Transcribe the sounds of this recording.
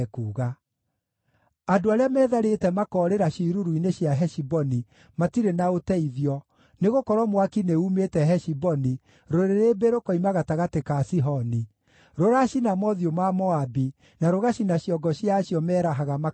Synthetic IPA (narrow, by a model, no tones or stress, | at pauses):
kuːɣa | adoaɾeamɛːðaɾetɛmakɔɾeɾaɕiɾuɾwineɕjaɦɛʃibɔni | matiɾenaotɛiðjɔ | neɣokɔɾwɔmwakineumetɛɦɛʃibɔni | ɾoɾeɾebeɾokɔimaɣataɣatekasiɦɔni | ɾoɾaʃinamɔðiomamɔabi | naɾoɣaɕinaɕjɔɡɔɕjaːɕjɔmɛːɾaɦaɣama